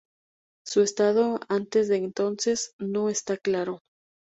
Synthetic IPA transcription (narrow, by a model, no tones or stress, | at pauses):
sue̞st̪aðo̞ant̪e̞zðe̞ːnt̪o̞nse̞sno̞e̞st̪aklaɾo̞